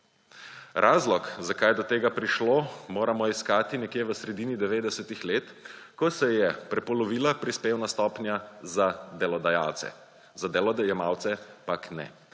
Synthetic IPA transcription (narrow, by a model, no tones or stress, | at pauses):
ɾʔaːzlɔkzakajd̪ɔt̪eːɡapɾiʃloːmoːɾamɔiskaːt̪inɛkjeːʋəsɾɛd̪iːnid̪ɛʋeːd̪ɛsɛt̪ixleːt̪kɔsɛjɛpɾɛpɔlɔʋiːlapɾispeːwnast̪ɔːpnjazad̪ɛlɔd̪aja̰wt̪sɛ̰ | zad̪ɛlɔd̪ajɛmawt̪sɛpaknɛ̰